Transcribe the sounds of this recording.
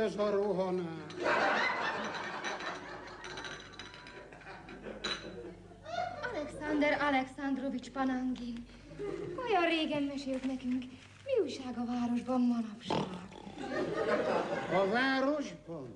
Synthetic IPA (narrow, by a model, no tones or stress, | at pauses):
øzɒɾoɦɒnaː | ɒlɛksɑnd̪ɛɾɒlɛksand̪ro̞vit͡ʃpɒnɒŋɡin | o̞jɒrreːɡɛmːɛʃeːlt̪nɛkyŋk | miujʃaːɡɒvaːɾo̞ʒbɒmmɒnɒpʃaːɡ | ɒvaːɾo̞ʒbɒn